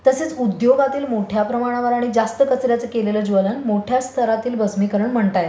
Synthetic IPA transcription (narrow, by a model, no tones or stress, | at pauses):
t̪əseːt͡sud̪joɡat̪iːlmoʈʰjapɾəmaɽ̃aʋəɾaɽ̃id͡zast̪əkət͡sɾjat͡səkeleləːd͡ʑʋələnmoʈʰjast̪ʰəɾat̪iːlbəsmikəɾəɳm̤əɳt̪aj